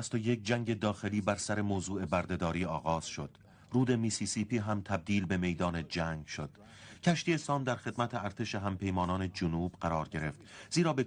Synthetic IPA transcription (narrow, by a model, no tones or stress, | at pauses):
æst̪oje̞k̚d͡ʒæŋɟed̪ɒːxe̞liːbæɾsæɾe̞moːzuːe̞bæɾd̪e̞d̪ɒːɾiːɒːɣɒːz̥ʃo̞d̪̥ | ruːd̪e̞misisipʰiːɦæmt̪ʰæb̚d̪iːlbe̞me̞jd̪ɒːned͡ʒæŋɡʃod̪̥ | cʰæʃt̪iːe̞sɒːmd̪æɾxe̞d̪mæt̪ʰeæɾt̪ʰe̞ʃeɦæmpʰe̞jmɒːnɒːne̞d͡ʒonuːb̥ɢæɾɒːɾɟe̞ɾe̞ft̪z̥iːɾɒːbe